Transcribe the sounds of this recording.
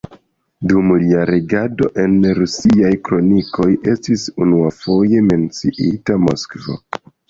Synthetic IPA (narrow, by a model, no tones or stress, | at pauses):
dumliaɾeɡado̞̰ʔe̞nɾusiajkɾo̞nikʰo̞jʔe̞stisunuafo̞je̞me̞nt͡siʔitamo̞̰skvo̰